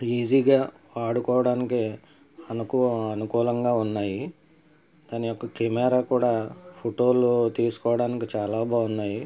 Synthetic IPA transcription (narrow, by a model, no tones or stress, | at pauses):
iːd͡ʒiːɡaː | ʋaːɽukɔːʋɐɽaːniki | ɐnukuɐnukuːlɐŋɡaːunːaːji | d̪aːnijɔkːɐkemɛːɾaːkuːɽaːpʰoʈoːlut̪iːsu̥kɔːʋɐɽaːnikit͡ʃaːlaːbʱaːunːaːji